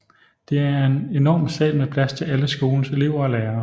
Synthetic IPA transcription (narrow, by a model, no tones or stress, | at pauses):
d̥e̝æɐe̝ne̝nɒ̰ːmsɛ̰ːd̥mepʰlæst͡sʰe̝æləsɡ̥o̝ːln̩se̝le̝ʊ̰ɐɒ̽leːɐ